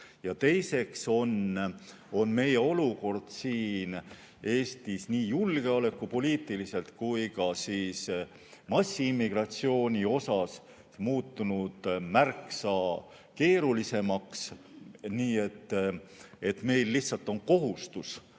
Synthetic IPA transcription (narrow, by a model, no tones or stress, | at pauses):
jɑt̪e̞jse̞kso̞n | o̞nme̞je̞o̞luko̞rd̪̥siːn | e̞ːst̪isniːjulɡ̥e̞ole̞kːupo̞liːt̪ːˑilise̞lt̪kujkɑsiːs | mɑsʲːiimːiɡ̥rɑt̪sio̞ːnʲio̞sɑs | muːt̪ːunud̪̥mærksɑ | ke̞ːɾulise̞mɑksniːe̞t̪ː | e̞t̪ːme̞jlːiht̪sɑlt̪ːˑo̞nko̞ɦust̪us